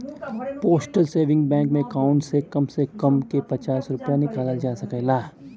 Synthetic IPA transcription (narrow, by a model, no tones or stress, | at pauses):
poːsʈəlseːʋɪ̃ŋɡbɛ̃ːŋkmẽkaːʊ̃ɳʈsekɐmsekɐmkepɐt͡ʃaːsɾʊpəjanɪkaːlad͡ʒaːsɐkɛlaː